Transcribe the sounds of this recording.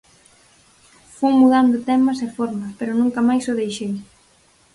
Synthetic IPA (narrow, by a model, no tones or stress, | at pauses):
fuwmuðand̪ʊt̪ɛmɐsefɔɾmɐspeɾʊnũŋkɐmajsʊðejʃej